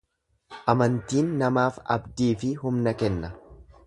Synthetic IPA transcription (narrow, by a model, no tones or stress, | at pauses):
ʔɐmɐnt̪iːnːɐmaːfɐ̰bd̪iːfɪɦʊmnɐkɛnːɐ